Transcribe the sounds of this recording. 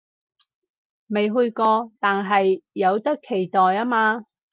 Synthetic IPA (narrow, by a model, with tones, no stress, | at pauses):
me˨jɦɵ˧ɥkɔː˧t̪aː˨nɦɐ˨jːɐ˨˧wt̪ɐ˥kʰːe˨˩jt̪ɔː˨jaː˥maː˧